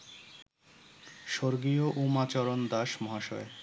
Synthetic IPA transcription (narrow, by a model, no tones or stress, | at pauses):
ʃoɾɡioʔumat͡ɕɔɾond̪aʃmɔɦaʃɔ̰e